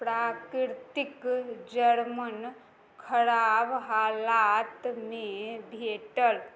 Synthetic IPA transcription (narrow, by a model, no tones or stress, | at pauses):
pɾaːkɾɾt̪ikd͡ʒəɾmən | kʰɐɽaːbɦaːlaːt̪mẽbʱeːʈəl